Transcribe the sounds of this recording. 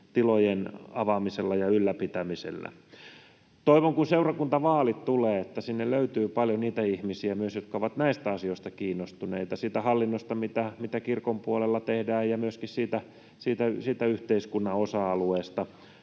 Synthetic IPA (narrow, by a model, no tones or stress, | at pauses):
t̪ilojenɑʋɑmiselːɑjɑylːæpit̪æmisḛlːæ̰ | t̪oiʋoŋkunseurɑkunt̪ɑʋɑːlit̪t̪uleːet̪ːæsinːelløyt̪yːpɑljoniːt̪æihmisiæmyøsjot̪kɑoʋɑt̪næist̪æɑsijoist̪ɑkiːnːost̪uneit̪ɑsiːt̪æhɑlːinːost̪ɑmit̪æmit̪ækirkompuolelːɑt̪ehdæːjjɑmyøskissiːt̪æ | siːt̪æsiːt̪æyht̪eiskunːɑosɑɑlueːst̪ɑ